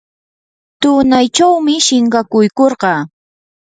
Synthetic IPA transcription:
t̪ʊnajt͡ʃawmɪʃɪɴɢɑkʊjkoɾɢɑː

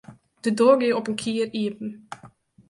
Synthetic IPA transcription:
d̥ədɔːɡeɔpənkʰiəriəpn̩

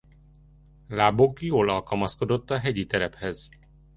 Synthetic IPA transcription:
laːbokjoːlɒlkɒlmɒsko̞d̪o̞t̪ːɒɦɛɟit̪ɛɾɛphɛz̥

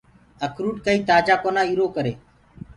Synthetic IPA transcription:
əkʰɾuːɖkəiːt̪aːd͡ʒaːkoːnãːiːɾoːkəɾeː

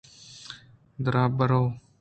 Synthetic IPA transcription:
d̪əɾaːbəɾoː

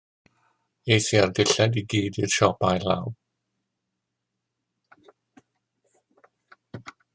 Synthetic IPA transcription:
ejsiardɪɬɛdiɡiːdirʃɔbajla̰w

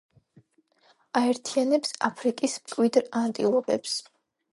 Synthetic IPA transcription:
aɛɾt̪ʰianɛpsapʰɾikʼismkʼwid̪ɾant̪ʼḭlˠɔɡɛps

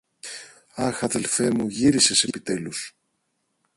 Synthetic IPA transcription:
ɐxɐðe̞lfe̞muʝiɾise̞sepit̪e̞lus

